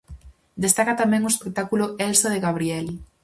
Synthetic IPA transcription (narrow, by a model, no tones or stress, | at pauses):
d̪est̪akat̪amɛ̃ŋoespek̚t̪akulʊɛlsaðeɣaβ̞ɾiɛl